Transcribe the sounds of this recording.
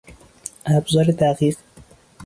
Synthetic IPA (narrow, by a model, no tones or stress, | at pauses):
hæbzɑːɾet̪æqiːq